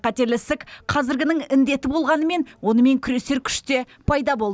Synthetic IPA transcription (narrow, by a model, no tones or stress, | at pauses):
qɑt̪e̞ɾlɪst̪ɪkqʰɑzɪɾɡʲɪnɪŋɪnd̪e̞t̪ɪbo̞lˠʁɑnəme̞nwo̞nəme̞ŋkʲʰʏɾe̞se̞ɾkʲʰʏ̥ʃt̪e̞ | pʰɑjd̪ɑbo̞lˠ